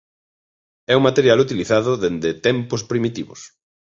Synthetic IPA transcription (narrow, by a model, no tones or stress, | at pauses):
ɛuŋmat̪eɾjalut̪iliθaðʊðend̪et̪ɛmpʊspɾimit̪iβʊ̰s